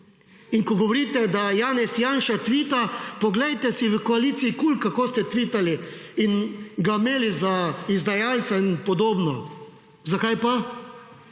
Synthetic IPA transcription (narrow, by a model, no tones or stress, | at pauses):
iŋkɔɡɔʋoɾit̪ɛd̪ajaːnɛsjaːnʃat̪ʋit̪apɔɡlɛjt̪ɛsiʋəkɔalit̪siːkulkakoːst̪ɛt̪ʋit̪ali | inɡameːlizaizd̪ajaːlt̪sainpɔd̪oːbnɔ | zakajpa